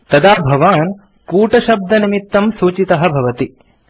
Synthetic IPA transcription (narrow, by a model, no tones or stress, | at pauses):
t̪ɐd̪aːbʱɐʋaːn | kuːʈɐʃɐb̚d̪ɐnimit̪ːɐmsuːt͡ʃit̪ɐɦɐbʱɐʋɐt̪i